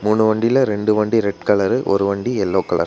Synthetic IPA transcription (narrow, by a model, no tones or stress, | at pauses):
muːɳɯʋɐɳɖɪlɐɾɛɳɖɯʋɐɳɖiɾɛʈkɐɭɐɾɯʔɔ̰ɾɯʋɐɳɖiɛlːoːkɐɭɐ̰ɾ